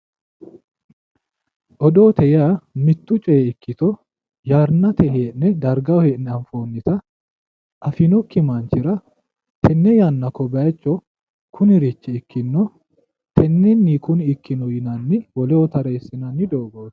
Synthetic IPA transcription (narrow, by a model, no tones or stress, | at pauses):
ʔɔd̪oːt̪ʰɛjamɪt̪ːʊt͡ʃʼɛɛɪkʰːɪt̪ɔ | jaːɾnɐt̪ɛheːʔnɛd̪ɐɾɡɐwɔheːʔnɛɐɱfoːnːɪt̪ɐ | ʔɐfɪnɔkːɪmaːnt͡ʃːɪɾɐ | t̪ʰɛnːɛjanːɐkɔbɐjt͡ʃːɔ | kʰʊnɪɾɪt͡ʃːɛɪkʰːɪnːɔ | t̪ʰɛnːɛnːiːkʊnɪɪkːɪnɔjɪnɐnːɪwɔlɛwɔt̪ɐɾeːsːɪnɐnːɪd̪o̞ːɡoːs